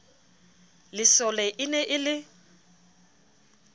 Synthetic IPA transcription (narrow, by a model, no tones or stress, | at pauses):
lɪsɔlɛʔɪnɛʔɪlɪ